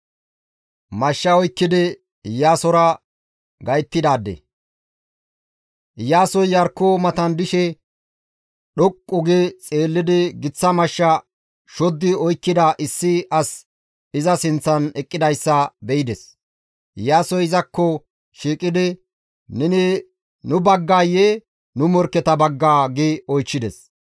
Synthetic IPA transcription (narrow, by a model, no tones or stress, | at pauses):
mɐʃːɐɔjkːɪd̪ɪ | jaːsɔɾɐ | ɡɐjt̪ːɪd̪aːd̪ːɛ̰ | jaːsɔjjɐɾkːoːmɐt̪ɐnd̪ɪʃɛ | ɗɔkʼːʊɡet͡sʼe̞ːlːɪd̪ɪɡɪt͡sːɐmɐʃːɐ | ʃɔd̪ːɪɔjkːɪd̪ɐʔɪsːɪʔɐs | ɪzɐsɪnt͡sːɐnɛkʼːɪd̪ɐjsːɐbɛɪd̪ɛs | jaːsɔjɪzɐkːɔ | ʃiːkʼɪd̪ɪ | nɛnɪ | nʊbɐɡːaːjeː | nʊmɔɾkːɛt̪ɐbɐɡːaːɡɪɔjt͡ʃːɪd̪ɛs